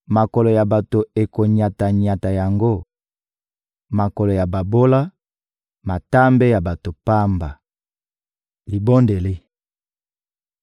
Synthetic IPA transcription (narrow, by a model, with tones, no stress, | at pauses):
ma˨kɔ˨lɔ˨ja˨ba˨to˨e˨ko˨ɲa˨ta˨ɲa˨ta˨ja˨ŋɡo˦ | ma˨kɔ˨lɔ˨ja˨ba˨bo˦la˦ | ma˨ta˦mbe˦ja˨ba˨to˨pa˦mba˨ | li˨bo˦nde˨le˦